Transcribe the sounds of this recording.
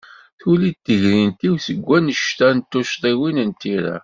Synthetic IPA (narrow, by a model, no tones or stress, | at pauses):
θulit̪ːəʝɾint̪iwsəɡʷːænəʃt̪ænt̪ːʊʃt̪ˤiwinənt̪iɾæ̰